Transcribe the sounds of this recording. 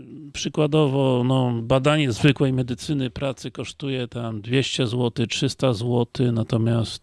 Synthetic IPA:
pʂɘkwad̪ɔvɔnɔbad̪aɲɛzvɘkwɛjmɛd̪ɘt̪sɘnɘpɾat̪sɘkɔʂt̪ujɛt̪amd̪vʲjeɕt͡ɕɛzwɔt̪ɘtʂɘst̪azwɔt̪ɘnat̪ɔmʲjast̪

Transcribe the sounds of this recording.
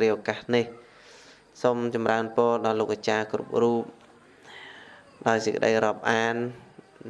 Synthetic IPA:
riəʔokahnih | soːmt͡ɕɑmraənpoəɗɑloːk̚ːat͡ɕaːkrṵp̚ruːp̚ | ɗaɔjsəkə̆ɗə̰jroːp̚ʔaːn

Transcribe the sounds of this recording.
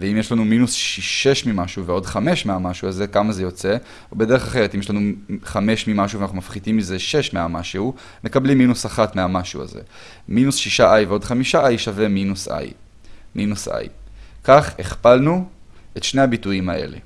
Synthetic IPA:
veimje̞ʃlanuminusʃiʃe̞ʃmimaʃuveo̞dχame̞ʃmeamaʃuaze̞kamazejo̞t͡se̞ | obe̞d̪e̞ʁeχaχeet̪imjeʃlanuχame̞ʃmimaʃuveanaχnumafχidimːize̞ʃe̞ʃmeamaʃeu | me̞kablimːinusaχat̪meamaʃua̰zḛ | minusʃiʃaʔajveod̪χamiʃaʔajʃave̞minusa̰j | mʔinusa̰jkaχeχpalnu | etʃne̞habituimaʔe̞̰le̞̰

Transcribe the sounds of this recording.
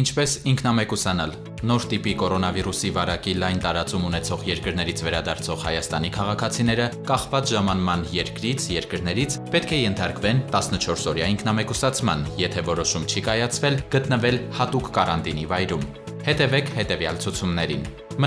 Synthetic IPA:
int͡ʃʰpɛsiŋkʰnɑmɛkusɑnɑl | nɔɾt̪ipikɔɾɔnɑviɾusivɑɾɑkilɑjnt̪ɑɾɑt͡sumunɛt͡sʰɔʁjɛɾkəɾnɛɾit͡sʰvɛɾɑd̪ɑɾt͡sʰɔʁhɑjɑst̪ɑnikʰɑʁɑkʰɑt͡sʰin̪ɛɾəkɑχvɑt͡sʒɑmɑnmɑnjɛɾkɾit͡sʰjɛɾkəɾnɛɾit͡sʰpɛt̪kʰɛjɛnt̪ʰɑɾkvɛnt̪ɑsnət͡ʃʰɔɾsɔɾjɑiŋkʰnɑmɛkusɑt͡sʰmɑnjɛt̪ʰɛvɔɾɔʃumt͡ʃʰikɑjɑt͡sʰvɛlɡ̥ət̪nəvɛlhɑt̪ukːɑɾɑnt̪inivɑjɾum | hɛt̪ɛvɛkʰhɛt̪ɛvjɑlt͡sʰut͡sʰumnɛɾin | m

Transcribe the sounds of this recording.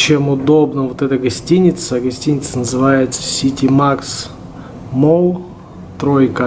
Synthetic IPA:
t͡ɕemʊd̪o̞bnəvot̪ɛt̪əɡɐsʲtʲinʲɪt̪səɡɐsʲtʲinʲɪt̪sənəzɨvajɪt̪sə̥sʲitʲimaks | molˠ | t̪ɾojkə

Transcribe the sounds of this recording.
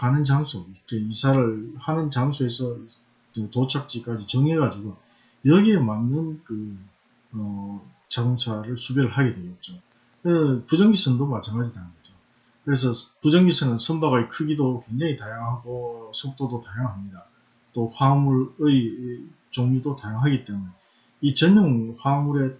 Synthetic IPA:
kanɯnt͡ɕaŋsʰoikʰeisʰaɾɯɭhanɯnt͡ɕaŋsʰoe̞sʰʌ | ɯtot͡ɕʰak̚t͡ɕ͈ik͈ad͡ʑit͡ɕʌŋeɡad͡ʑiɡo | jʌɡiemanːɯnkɯ | ʌ | t͡ɕaɡoŋt͡ɕʰaɾɯɭsʰubjʌɾɯɭɦaɡe̞dwe̞ɡʌt̚t͡ɕ͈o | kɯnɯnpud͡ʑʌŋɡisʰɯnɯndomat͡ɕʰaŋɡad͡ʑitanɯnɡʌd͡ʑo | kɯɾe̞sʰʌpud͡ʑʌŋɡisʰɯnɯnsʰʌnbaɡaikʰɯɡidokwe̞ŋd͡ʑaŋitajaŋɦaɡosʰok̚t͈odotajaŋɦamɲida | t͈oɸwamuɾɯi | t͡ɕoŋɲudotajaŋɦaɡit͈e̞mune | it͡ɕʌɲːoŋɸwamuɾe̞

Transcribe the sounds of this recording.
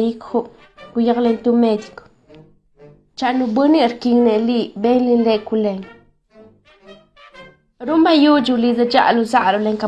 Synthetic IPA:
jikxu | kujaklent̪umed̪iko̥ | t͡ʃanubɨniɾkiŋnelibenlinlekuleɲ | ɾumbajud͡ʒilidad͡ʒa̰luzaɾoleŋka

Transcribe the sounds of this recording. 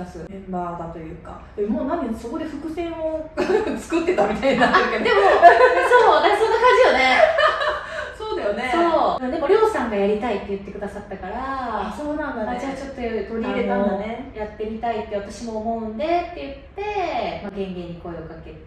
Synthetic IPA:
asɨbaːd̪at̪o̞jɯ̟ːka̰ | d̪emoːnãnd̪eso̞ko̞d̪e̞ɸɯ̟kɯ̟sẽ̞ot͡sɨ̥kɯ̟t̪ːe̞t̪amʲit̪ainaeked̪e̞mosoːonesõ̞nːakãɲ̟d͡ʑijone̞ | soːd̪ajone̞so̞ːmod̪emoɾʲo̞ːsãŋɡajaɾʲit̪ait̪ːe̞jɯ̟t̪ːe̞kɯ̟d̪asat̪ːakaɾaaso̞ːnãnd̪aaɕiβat͡ɕo̞t̪ːot̪o̞ɾʲiiɾeaonejat̪ːe̞mʲit̪ait̪ːeβat̪aɕimo̞ɦõ̞nd̪e̞t̪ːe̞jɯ̟t̪ːe̞maɡẽ̞ŋɡẽ̞ɲ̟ːiko̞eokake

